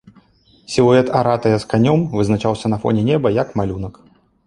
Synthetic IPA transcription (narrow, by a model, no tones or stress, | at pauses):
sʲilˠɔɛt̪aɾat̪ɐjɐskanʲɔmvɨznat͡ʂawsʲɐnɐfɔ̰nʲɛnʲɛbɐjɐkmalʲunɐk